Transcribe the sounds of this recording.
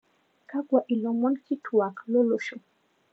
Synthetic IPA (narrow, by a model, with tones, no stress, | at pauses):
ka˦kwa˨ʔi˨lɔ˨mɔ˦nki˦tʰu˨a˨klo˦lo˦ʃo˨